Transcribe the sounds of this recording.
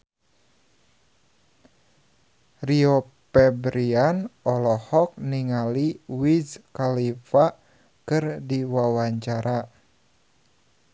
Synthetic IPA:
rio | pɛbɾianɔlɔhɔk̚niŋaliwizkalifa | kɨrdiwawaɲt͡ʃaɾa

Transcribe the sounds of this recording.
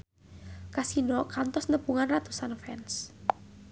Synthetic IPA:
kasinɔkant̪ɔsnəpuŋanrat̪usanfɛns

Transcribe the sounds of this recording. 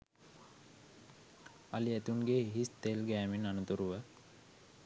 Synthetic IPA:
aliæt̪unɡeiɦist̪elɡæːminanut̪uɾuʋə

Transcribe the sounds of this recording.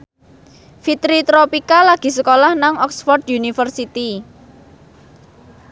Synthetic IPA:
fit̪ɾit̪ɾɔpikalaɡ̥i̤səkolahnaŋɔksfɔrd̪junifərsit̪i

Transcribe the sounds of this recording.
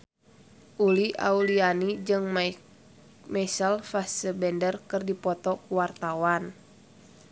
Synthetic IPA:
ʔuliʔa̰ulianid͡ʒɨŋm | mɛsalfassəbɛndərkɨrdipɔt̪ɔkuwart̪awan

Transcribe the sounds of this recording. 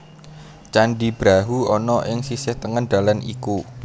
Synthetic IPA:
t͡ʃanɖib̥ɾaɦuɔnɔʔɪŋsisɪht̪əŋənɖ̥̪a̤lanʔḭku

